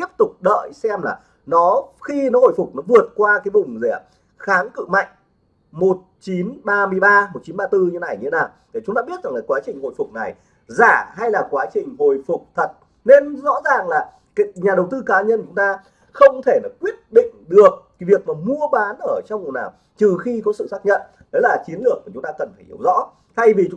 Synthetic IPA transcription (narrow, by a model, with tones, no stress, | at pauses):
t̪i˦˥əp̚t̪ʊ˨˩k͡p̚ɗə̰ː˧˨jsɛ˧mlaː˨˩ | nɔ˨˦xi˧nɔ˨˦ho̰˧˩˨jfʊ˨˩k͡p̚nɔ˨˦vɨ˨˩ət̚kwaː˧kaː˨˦jvʊ˨˩ŋ͡mzɛ˧˩ | xaː˨˦nkɨ̰˧˨ma̰˧˨jŋ̟ | mo˨˩t̚t͡ɕi˨˦nɓaː˧mɨ˧əjɓaː˧mo˨˩t̚t͡ɕi˨˦nɓaː˧t̪ɨ˧ɲɨ˧e˧˦na˨˩jɲʰ˧e˨˦naː˨˩wt̪ʰe˧˩ʊ˦ŋ͡mt̪a̰ː˧ɓi˦˥ət̚za˨˩laː˨˩˦kwaː˨˦t͡ɕï˨˩ŋ̟ho̰˧˨jfʊ˨˩k͡p̚na˨˩j | zaː˧˩ɦa˧jlaː˨˩kwaː˨˦t͡ɕï˨˩ŋ̟ho˨˩jfʊ˨˩k͡p̚t̪ʰə˨˩t̚ | ne˧nzɔ̰˧˥zaː˨˩ŋlaː˨˩ | ka˨˦ɲaː˨˩ɗə˨˩wt̪ɨ˧kaː˨˦ɲə˧nt͡ɕʊ˨˦ŋ͡mt̪aː˧ | xə˧wŋ͡mt̪ʰe˧˩na˨˩kwi˦˥ət̚ɗḭ̈˧˨ŋ̟ɗɨ˨˩ək̚ːvi˨˩ək̚maː˨˩mu˧əɓaː˨˦nʔəː˧˩t͡ɕɔ˧wŋ͡mnaː˨˩w | t͡ɕɨ˨˩xi˧kɔ˨˦sɨ̰˧˨saː˦˥k̚ɲə̰˧˨n | ɗe˨˦laː˨˩t͡ɕi˨˦ənlɨ˨˩ək̚ku˧˩t͡ɕʊ˨˦ŋ͡mt̪aː˧kə˨˩nfaː˧˩jʔi˧˩əwzɔ̰˧˥ | t̪ʰa˧jvi˨˩t͡ɕʊ˨˦